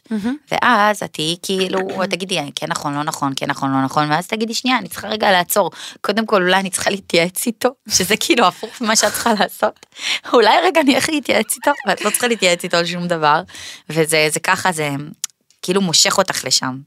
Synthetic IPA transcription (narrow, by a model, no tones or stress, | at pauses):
vḛʔaza̰t̪iikʰiiluat̪aɡid̪lianikʰenːaχo̞nlonaχonkenːaχo̞nlo̞naχo̞nveazt̪aɡid̪liʃniaːnit͡si̥χaʁeɡalaːt͡so̞ʁko̞d̪e̞mko̞lulajanit͡sχaliit̪jaet͡sit̪o̞ʃe̞zekʰiiluafuχvimaʃeat̚t͡sχalaːso̞tulajʁeɡaːnieχliːt̪jaet͡sit̪o̞veat̪lo̞t͡sχaliːt̪jaet͡sito̞alʃumd̪avaʁve̞zezekaχaze | kiilumo̞ʃe̞χo̞t̪aχle̞ʃa̰m